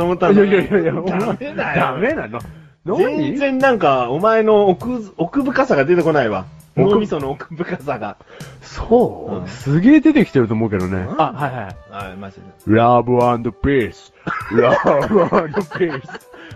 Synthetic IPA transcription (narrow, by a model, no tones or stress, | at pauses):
t̪omot̪ːãnjajajajaamead̪amenãa | nazẽnizẽ̞nnãŋkaomaeno̞kɯokɯ̟bɯ̟kasaɡad̪e̞t̪e̞ko̞naiβa̰ | omʲisonoːkɯ̟̥bɯ̟kasaɡa | soɯ̰̃sɨɡʲeːd̪e̞t̪e̞kʲi̥t̪eɾɯo̞ːmo̞ɯ̟ke̞d̪o̞neahaihahahamad͡ʑimɾabɯãnd̪opesɾabɯand̪opes